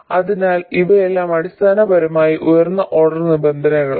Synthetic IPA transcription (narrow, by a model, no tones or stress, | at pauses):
ɐðinaːliʋɐelːaːmɐɽist̪ʰaːnɐbɐɾɐmaːjiʔujɐrnːɐʔo̞ɽɐrnibend̪ʱɐnɐŋɐɭ